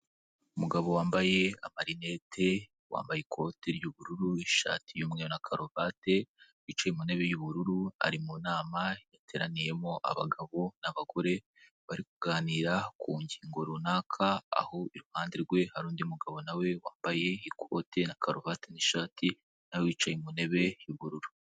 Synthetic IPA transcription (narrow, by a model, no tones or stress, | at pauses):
umuɡaβo̞waːmbaje̞amaɾine̞tʰe̞ | wa̰ːmbajekʰo̞teɾɟuβuɾuɾuiʃa̰ːtʰijumŋeɾonakʰaɾovate̞ | wit͡ʃejemuneβejuβuɾuɾua̰ɾimunaːmajatʰe̞ːɾa̰nije̞moʔa̰βa̰ɡaβo̞naβaɡo̞ɾe̞ | βaɾikuɡaːniɾakʰuːɲɟiːŋɡoɾunakʰa̰ːho̞iɾuhaːndiɾɡwe̞haɾuːndiumuɡaβo̞nawe̞waːmbaje̞ikʰo̰tʰe̞nakʰaɾovateniʃaːtʰi | nawewiːt͡ʃajimune̞βe̞juβuɾuɾu